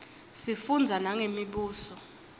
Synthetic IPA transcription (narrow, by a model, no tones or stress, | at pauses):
sifund͡zʱanaŋemiɓuːsɔ